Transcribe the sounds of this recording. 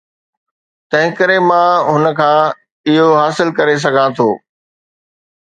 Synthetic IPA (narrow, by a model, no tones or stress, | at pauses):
t̪ɐ̃ɦɪ̃kəɾemãɦʊnəkʰãː | ɪɦoɦaːsɪlkɐɾes̬ɐɡʱãt̪ʰoː